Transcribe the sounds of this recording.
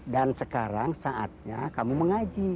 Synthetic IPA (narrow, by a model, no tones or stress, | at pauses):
dansəkaɾaŋsaʔa̰t̪̚ɲa̰kamuməŋad͡ʒi